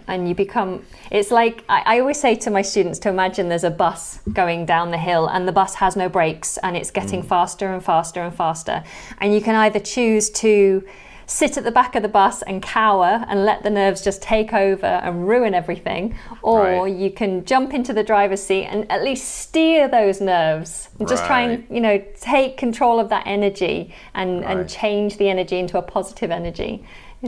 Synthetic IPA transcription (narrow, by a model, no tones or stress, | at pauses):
ʔə̃njɨbɨkʰʌ̃m | ʔɪtslaɪkʔaɪʔaɪɔlˠwiz̥seɪtʰəmaɪstt͡ʃʉdⁿn̩tstʰəɪmad͡ʒɨ̃nðə˞zəbʌsɡ̥oʊɪ̃ŋdãʊ̃nðɨɦɪlˠə̰̃nðəbʌshəznoʊbɹeɪksə̃nɪtsɡ̥ɛtɪ̃ŋfɑˑstə˞ə̃nfɑˑstə˞ə̃nfɑˑstə̰˞ | ʔɨ̃njɨkʰɨ̃ñaɪðət͡ʃʰʉːz̥tʰə | sɪɾɨʔ̪̚ðəbakəvðəbʌsə̰̃nkʰaʊə˞ə̰̃nlɛ̰ʔ̪̚ðənɜ˞vzd͡ʒʌstʰeɪkoʊvə̰ɹə̰̃nɹʉɨ̃nɛvɹiθɪ̰̃ŋʔəjɨkʰɨ̃nd͡ʒʌ̃mpɪ̃ntʉðɨdɹaɪvəz̥siʔə̰̃nə̰ʔˡliststɪɹðoʊznɜːvz̥ | nd͡ʒʌstʰɹ̥aɪə̃njɨnoʊtʰeɪkʰːə̃ntʰɹ̥oʊlˠəvðə̰ʔɛnəd͡ʒḭ | ʔə̃nɨ̰̃nt͡ʃʰẽɪ̃nd͡ʒðiɛnəd͡ʒiɪ̃ntʰuəpʰɒzɪɾʰɪvɛnəd͡ʒḭ